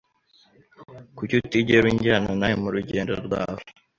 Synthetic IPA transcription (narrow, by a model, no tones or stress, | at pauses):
kucutiɟeɾwiɲɟanonajmuɾuɟe̞ːndo̞̰ɾɡwa̰ːho